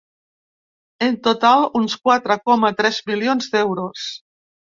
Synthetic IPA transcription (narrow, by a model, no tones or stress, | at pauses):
ent̪ot̪alˠunskwat̪ɾəkɔmat̪ɾɛzbilionzd̪ɛwɾos